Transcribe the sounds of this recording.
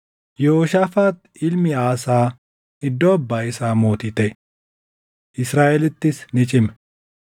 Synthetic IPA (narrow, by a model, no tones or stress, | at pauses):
joːʃaːfaːt̪ | ɪlmɪaːsaː | ɪd̪ːɔːbːaːɪsaːmo̞ːt̪ɪt̪ɛ | ʔɪsɾaːʔɛlɪt̪ːɪsnɪt͡ʃʼɪm